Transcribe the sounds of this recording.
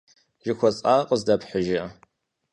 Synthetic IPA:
ʒɪxʷɔt͡sʼaːqəzdɐpħəʒɐ

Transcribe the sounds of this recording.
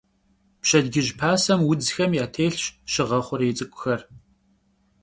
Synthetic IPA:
pɕɐdɡɪʑpʰaːsɐmwʊd͡zxɐmjaːtʰeːɬɕʃɪʁɐχʷʊɾɪt͡sʼɨkʷʼʊxɐr

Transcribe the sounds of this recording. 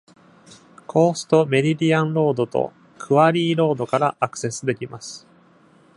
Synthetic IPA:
kʰo̞ːsɨ̥t̪o̞me̞ɾʲidʲiãnɾo̞ːd̪o̞t̪o̞̰ | kʰɯ̟βaɾʲiːɾo̞ːd̪o̞kaɾaʔakɯ̟̥se̞sɨd̪e̞kʲimasɨ̥

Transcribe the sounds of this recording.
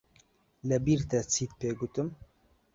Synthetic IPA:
lɨbiːɾt̪ɛt͡sʰiːt̪̚peːɡut̪ɨm

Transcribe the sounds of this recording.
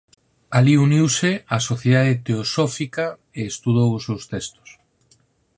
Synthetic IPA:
aliuniwsɪasoθjeðaðet̪eosɔfika | eːst̪uð̞owʊsewst̪ɛst̪ʊ̥s

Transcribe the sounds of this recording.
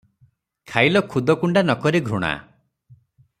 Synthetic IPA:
kʰajlɔkʰud̪ʱɔkuɳɖanɔkɔɾeɡʱɾuɽ̃a̰

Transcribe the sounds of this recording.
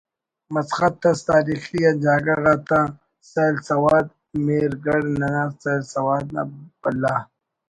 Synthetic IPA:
mɐsxɐt̪ːɐst̪aːɾixijad͡ʒaːɡɐɾɣat̪a | salsɐwaːd̪̚ | meɾɡɐɽnɐnaːsalsɐwaːd̪̚na̰bɐlːa

